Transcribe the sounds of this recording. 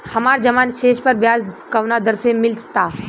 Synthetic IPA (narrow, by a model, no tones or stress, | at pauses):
hɐmaːɾd͡ʒɐmaːnʃeːʃpəɾbjaːzkəʋnad̪əɾsẽmɪlsə̥t̪aː